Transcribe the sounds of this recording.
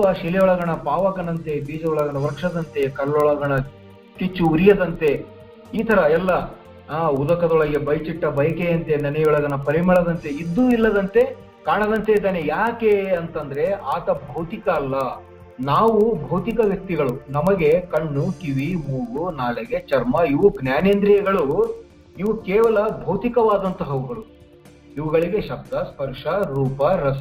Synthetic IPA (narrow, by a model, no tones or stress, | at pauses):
ɐʃilɛjɔɭɐɡɐɳɐpaːʋɐɡɐnɐnt̪e̞biːd͡ʒɐɔɭɐɡɐɳɐʋɐɾkʂɐd̪ɐnt̪e̞kɐɾɭɔɭɐɡɐɳɐ | kit͡ʃːuuɾijɐd̪ɐnt̪e̞ | iːt̪ʰɐɾɐɛlːɐ | ud̪ɐkɐd̪ɔɭɐɡebɐjt͡ʃiʈːɐbɐjɐkejɐnt̪e̞nɐnɛjɔɭɐɡɐnɐpɐɾimɐɭɐd̪ɐnt̪e̞id̪ːuilːɐd̪ɐnt̪e̞ | kaːɳɐd̪ɐnt̪ed̪aːnejaːke̞ɐnt̪ɐnd̪ɐɾe̞aːt̪ɐbʱɐwt̪ikɐːlːɐ | naːʋubʱɐwt̪ikɐʋjɐk̚t̪iɡɐɭunɐmɐɡe̞kɐɳːukiʋimuːɡunaːleɡe̞t͡ʃɐɾmɐiʋuɡʱnjaːneːnd̪ɾijɐɡɐɭu | iʋukɛːʋɐlɐbʱɐwt̪ikɐʋaːd̪ɐnt̪ɐɦɐʋɐɡɐɾu | iʋɐɡɐɭiɡe̞ʃɐb̚d̪ʱɐspɐɾʂɐɾuːpɐɾɐs